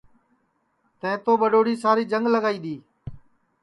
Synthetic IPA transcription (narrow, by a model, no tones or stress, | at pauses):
t̪ə̃ɦɪ̃t̪oːɓəɗoːɽiːsaːɾiːd͡ʒəŋɡləɡaːiːɗ̪iː